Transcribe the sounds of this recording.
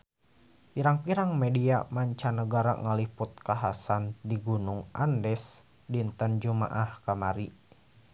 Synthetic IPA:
piɾaŋpiɾaŋmediamaɲt͡ʃanəɡaɾa̰ŋəlipʊt̪̚kaɦasandiɡunʊŋʔa̰ndɛs | dint̪ənd͡ʒuma̰ʔahkamaɾi

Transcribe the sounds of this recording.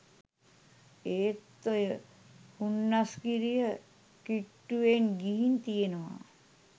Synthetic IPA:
eːt̪ːojə | hunːaskiɾijə | kiʈːuʋenɡiɦint̪ijenəʋa̰ː

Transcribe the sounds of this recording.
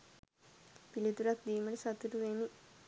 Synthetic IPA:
pilit̪uɾakd̪iːmɐʈesɐt̪ːuʈuʋeni

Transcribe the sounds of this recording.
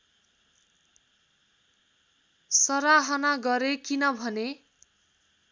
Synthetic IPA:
sʌɾaɦʌnaɡʌɾekinʌbʱʌne

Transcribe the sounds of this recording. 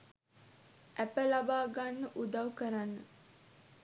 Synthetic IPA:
ʔæpəlabaːɡanːəʔud̪awkəɾanːə

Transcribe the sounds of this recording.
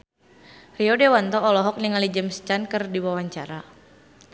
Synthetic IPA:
riɔdewant̪ɔːlɔɦɔk̚niŋalid͡ʒəmst͡ʃankərdiwawaɲt͡ʃaɾa

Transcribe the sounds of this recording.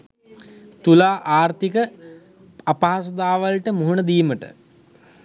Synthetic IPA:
t̪ulaːʔaːrt̪ikə | apaɦasod̪aːʋəlʈəmuɦunəd̪iːməʈə̰

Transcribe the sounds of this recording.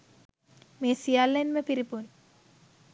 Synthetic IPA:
mesijalːenmepiɾipun

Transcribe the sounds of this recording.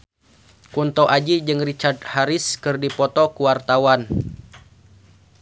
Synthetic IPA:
kunt̪ɔʔad͡ʒid͡ʒɨŋrit͡ʃard̪̚haɾɪskɨrdipɔt̪ɔkuwart̪awan

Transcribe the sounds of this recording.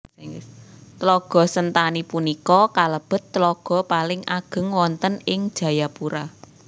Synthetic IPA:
ŋt̪əlɔɡ̥ɔ̤sənt̪anipunikɔkaləb̥ə̤t̪ːlɔɡ̥ɔ̤palɪŋaɡ̥ə̤ŋwɔnt̪ənɪŋd̥ʒ̥ä̤japuɾa

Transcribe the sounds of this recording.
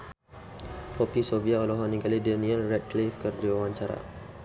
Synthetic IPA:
pɔpisoviaolɔɦaniɡalidɛnĩəlrɛt̚klifkərd͡ʒiawãɲt͡ʃaɾa̰

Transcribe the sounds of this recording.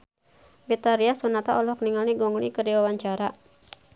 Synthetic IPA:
bit̪aɾiasɔnat̪a̰ʔɔlɔkniŋalniɡɔŋlikədiwawaɲt͡ʃaɾa

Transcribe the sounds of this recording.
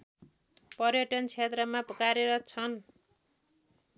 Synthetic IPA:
pʌrjʌʈʌnt͡sʰet̪rʌmapkaɾeɾʌt͡sʰʌn

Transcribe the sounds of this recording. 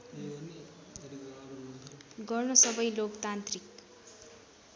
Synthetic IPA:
ɡʌrnʌsʌbʌjlokt̪ant̪rik

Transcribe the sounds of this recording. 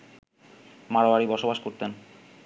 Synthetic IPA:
maɽoaɾibɔʃobaʃkoɾt̪en

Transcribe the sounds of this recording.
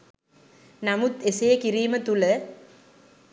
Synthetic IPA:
nɐmut̪esejɐkiɾiːmət̪ulə

